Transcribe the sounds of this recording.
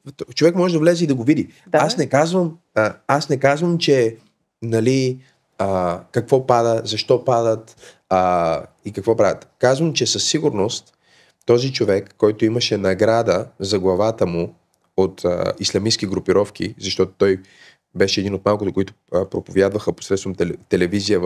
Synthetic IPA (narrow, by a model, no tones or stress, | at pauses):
t͡ʃovɛkmɔʒɛd̪ɐvlɛzɛid̪ɐɡovid̪i | asnɛkazvəm | asnɛkazvəmt͡ʃɛ | nɐli | əkɐkvɔpad̪əzɐʃt̪ɔpad̪ət̪ | ə | ikɐkvɔpɾavʲət̪kazvəmt͡ʃɛsɐsːiɡʊɾnost̪ | t̪ɔzit͡ʃovɛkːɔjt̪ʊiməʃɛnɐɡɾad̪əzɐɡlˠɐvat̪əmu | ot̪ə̰islʲɐmisk̟iɡɾʊpiɾɔfk̟ḭzɐʃt̪ɔt̪ʊ̥t̪ɔj | bɛʃɛɛd̪inot̪malˠkʊt̪ʊkoit̪ʊ̥əpɾopovjad̪vəxəpo̥sɾɛt̪st̪vɐmɛt̪ɛlɛvizijəv